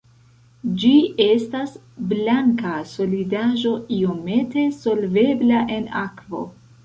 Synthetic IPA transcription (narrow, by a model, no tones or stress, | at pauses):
d͡ʒie̞stas | blaŋkaso̞lidaʒo̞io̞me̞te̞so̞lve̞blaʔe̞na̰kvo̞̰